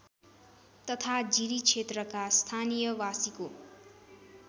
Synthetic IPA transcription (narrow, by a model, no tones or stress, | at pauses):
t̪ʌt̪ʰad͡ziɾit͡sʰet̪rʌkast̪ʰanijʌwasiko